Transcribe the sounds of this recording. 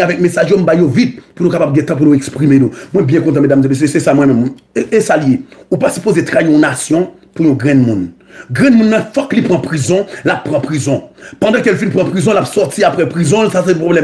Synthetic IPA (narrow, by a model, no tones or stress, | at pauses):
avɛk̚mesaʒjom̩bajovit̪̚punukapab̚ɡɛ̃t̪ɑ̃p̬unoɛkspʁimenomw̃ɛ̃bjɛ̃kɔ̃t̪ɑ̃med̪amzemes̬øsɛsamwɛ̃mɛ̃mesaljeupasy̥pozet̪ʁajeɔ̃nasjɔ̃ | pujɔ̃ɡʁɛ̃nmũn | ɡʁɛ̃nmũnːɑ̃fɔklipʁɑ̃pʁizɔ̃lapːʁɑ̃pʁizɔ̃pɑ̃d̪ɑ̃kɛlfinpʁɑ̃pʁizɔ̃lapsɔʁt̪ʰiapʁɛpʁizɔ̃lsasɛɛ̃pʁoblɛm